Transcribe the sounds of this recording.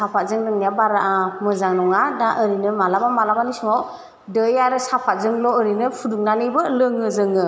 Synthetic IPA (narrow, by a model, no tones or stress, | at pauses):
sapʰat̚zɯŋdɯŋnijabaɾaʔamɯzaŋnɔŋadaʔɯɾinɯmalabamalabanisuŋa | dɯjaɾɯsapʰat̚zɯŋlɔːɾinɯpʰuduŋnanɯbɯlɯŋɯzɯŋɯ